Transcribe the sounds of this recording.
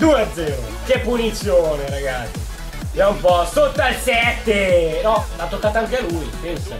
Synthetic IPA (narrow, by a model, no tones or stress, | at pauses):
d̪uead̪zːɛːɾo | k̟epːunit̪sːjoːneɾaɡat̪sːi | d͡ʒaumpɔsot̪ːalsɛt̪ːenɔlat̪ːokːat̪oaŋkealujpɛnsa̰